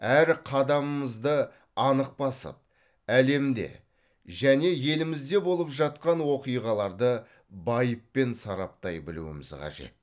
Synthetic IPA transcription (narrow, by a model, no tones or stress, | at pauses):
æɾqʰɑd̪ɑməməzd̪ə | ɑnəq̚pɑsə̰p̚ | æle̞md̪e̞̰ | ʒæne̞je̞lɪmɪzd̪e̞bo̞lˠəpʒɑt̪̚qɑnwo̞qijʁɑlˠɑɾd̪ə | bɑjəpːe̞nsɑɾɑp̚t̪ɑjbɪlṵɪ̰mɪzqʰɑ̰ʒe̞̰t̪̚